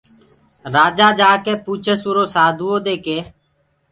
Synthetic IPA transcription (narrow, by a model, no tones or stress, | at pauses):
ɾaːd͡ʒaːd͡ʒaːkeːpuːt͡ʃʰesuːɾoːsaːd̪ʱuːoːd̪eːkeː